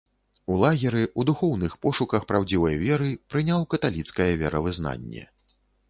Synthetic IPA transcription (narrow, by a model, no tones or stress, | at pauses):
ulˠaɣʲɛɾɨʔud̪uxɔwnɨxpɔʂukɐxpɾawd͡zʲivɐjvʲɛɾɨpɾɨnʲawkɐt̪alʲit̪skɐjɛvʲɛɾɐvɨzna̰nʲːɛ̰